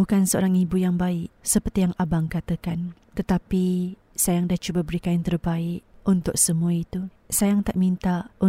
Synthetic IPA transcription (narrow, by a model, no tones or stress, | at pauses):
bukansəo̰ɾaŋibujaŋbaɪʔsəpərt̪ijaŋabaŋkat̪əkan | t̪ət̪api | sajaŋdaht͡ʃubabəɾikant̪ərbaɪʔunt̪ʊk̚səmuait̪u | sajaŋt̪aʔmĩnt̪aʔu